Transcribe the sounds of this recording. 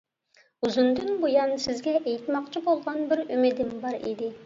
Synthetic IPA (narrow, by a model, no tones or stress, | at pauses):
uzund̪ɨnbojɑnsɪzɡʲɛʔɛjt̪mɑqt͡ʃʰibolˠʁɑnbɪɾymɪd̪ɪmbɑɾḭd̪ɪ